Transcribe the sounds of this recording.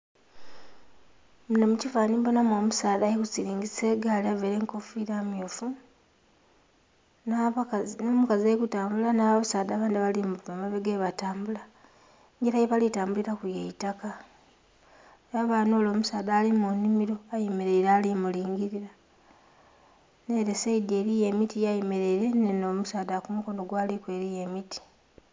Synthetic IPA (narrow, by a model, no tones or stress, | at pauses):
munomucifaːniːmbonamo̞musaːdajekusiɾiːɲɡiseːɡaliaveɾeŋkofiɾamjofu | nnomukaziajekutaːmbulanaβaβasaːdaβaːndiβalimuvamaβeɡeːβataːmbula | ɲɟeɾajeβalitaːmbuliɾakujeitaka | jaβaːnoːlo̞ːmusaːdaːlimunimiɾo̞ajemeɾe̞iɾaːlimuliːŋɡiɾiɾa | ne̞ɾeseide̞ːɾije̞mitijajimeɾe̞iɾe̞neno̞musaːdakumuko̞no̞ɡwaːlikwe̞ɾije̞miti̥